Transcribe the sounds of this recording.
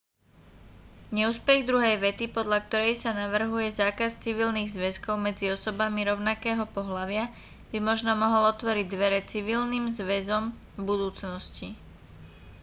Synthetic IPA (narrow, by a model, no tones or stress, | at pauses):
ɲɛuːspɛɣd̪ɾuɦɛjʋɛt̪ipɔd̪ʎak̚t̪ɔɾɛjsanaʋr̩ɦujɛzaːkast͡siʋilniːɣzʋɛskɔʊmɛd͡ziɔsɔbamiɾɔʊnakɛːɦɔpɔɦlaʋɪa | b̥imɔʒnɔmɔɦɔlɔt̪ʋɔɾiɟ̚d̪ʋɛɾɛt͡siʋilnimzʋɛzɔm | bud̪uːt͡snɔsci